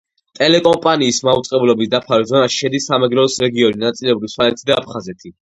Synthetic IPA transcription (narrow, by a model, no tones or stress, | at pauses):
t̪ʼɛlɛkʼɔmpʼaniːsmaut̪sʼqʼɛblɔbisd̪apʰaɾizɔnaʃi̥ʃɛd̪isːamɛɡɾɔːsɾɛɡiɔninat̪sʼilɛbɾiswalɛt̪ʰid̪aːpʰχazɛt̪ʰi